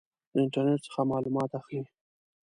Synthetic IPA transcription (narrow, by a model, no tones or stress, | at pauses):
d̪əɪɳʈəɾneʈ̚sə̥xamɑlumɑt̪axli